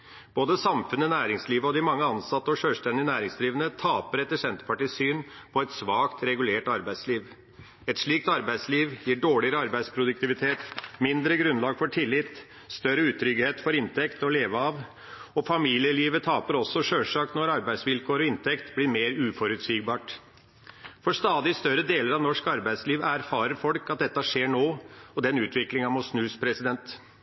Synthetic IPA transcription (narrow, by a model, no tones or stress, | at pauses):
b̥oːd̪əsɑmfʉnənæːɾɪŋsliːʋəɔd̪ɪmɑŋːəɑnsɑt̪ːəɔʂøːlsʈ̪ɛnd̪ɪənæːɾɪŋsliːʋənət̪ʰɑːpəɾɛt̪ːəʂɛnt̪əpʰɑʈiːsyːnpʰɔɛt̪sʋɑːkt̪ɾɛɡʉleːʈɑɾbæɪsliːʋ | ɛt̪ʂɭiːkt̪ɑɾbæɪd̪sliːʋjiːɖoːɭɪəɾəɑɾbæɪd̪spʰɾʊd̪ʉkt̪ɪʋɪt̪ʰeːt̪mɪnd̪ɾəɡɾʉnlɑːɡfɔʈʰɪlːɪt̪ | st̪œɾəʉːt̪ʰɾʏɡheːt̪fɔɾɪnt̪ʰɛkt̪ɔleːʋəɑːʋ | ɔfɑmiːlɪəliːʋət̪ʰɑːpəɾɔsːɔʂøːʂɑːknɔɾɑɾbæɪsʋɪlkʰoːɾɔɪnt̪ʰɛkt̪blɪɾmeːɾʉːfɔɾʉt̪siːɡ̚bɑːʈ | fɔʂt̪ɑːd̪ɪst̪œɾəd̪eːləɾɑʋnɔʂkɑɾbæɪd̪sliːʋæɾfɑːɾəɾfɔlkɑt̪̚d̪ɛt̪ːəʂeːɳoːɔd̪ɛnʉːt̪ʰʋɪklɪŋɑmɔsnʉːspʰɾɛsɪd̪ɛnt̪